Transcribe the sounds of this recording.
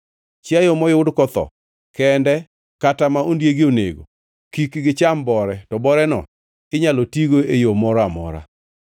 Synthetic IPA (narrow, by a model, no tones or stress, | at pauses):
t͡ʃɪajomɔjʊdkɔt̪ɔ̰ | kɛndɛ | katamaʔondjeɡɪonḛɡo̰ | kikɡɪt͡ʃambɔɾɛtɔbɔɾɛnɔ̰ | ɪɲalɔtiɡoejomɔɾamɔ̰ɾa̰